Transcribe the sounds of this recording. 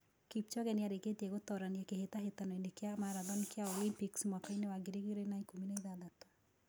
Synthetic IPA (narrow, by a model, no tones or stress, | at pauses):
kipt͡ʃɔɣɛniaɾeketiɛɣotɔɾaniakehetaɦetanɔindekeamaɾaðɔnikeaolimpiksmwakainewaɡeɾeɣiɾenaikominaiðaðatw